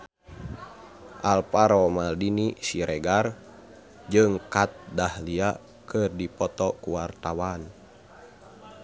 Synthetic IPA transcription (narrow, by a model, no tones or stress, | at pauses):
ʔalpaɾɔmaldinisiɾɛɡar | d͡ʒɨŋkat̪̚dahlia | kɨrdipɔt̪ɔkuwart̪awan